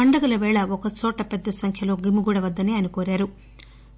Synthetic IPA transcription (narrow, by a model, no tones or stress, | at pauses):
ɐɳɖɐɡɐlɐʋɛːɭɐɔkɐt͡ʃɔːʈɐpɛd̪ːɐsɐŋkʰjɐlo̞ːɡimuɡuːɽɐʋɐd̪ːɐneːɐːɐnikoːɾaːɾu